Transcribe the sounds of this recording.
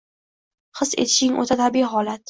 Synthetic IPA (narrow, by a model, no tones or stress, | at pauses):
χɨse̞̰t̪ʰɪ̥ʃɪŋʔo̰t̪ʰat̪ʰabijɦɒlat̪